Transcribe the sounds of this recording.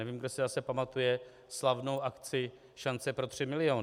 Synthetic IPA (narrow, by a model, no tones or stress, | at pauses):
ɛviːmɡdosɪzasɛpamat̪ujɛ | slavno̞wʔakt͡sɪ | ʃant͡sɛpɾo̞t̪r̝̥ɪmɪlɪjoːn